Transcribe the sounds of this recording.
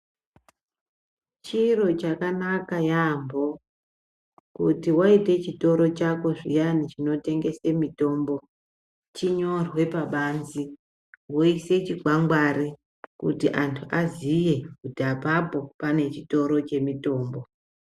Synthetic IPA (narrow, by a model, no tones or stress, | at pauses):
t͡ʃiro̞t͡ʃakanakajambo̞ | kutiwaite̞t͡ʃito̞ɾo̞t͡ʃako̞ʐḭjanit͡ʃino̞te̞ŋɡe̞se̞mito̞ːmbo̞ | t͡ʃiɲo̞rwe̞paɓanzi | woise̞t͡ʃiɡʱwaŋɡwari | kṵtiʔantʰuʔazije̞kutiapapo̞pane̞t͡ʃito̞ɾo̞t͡ʃe̞mito̞ːmbo̞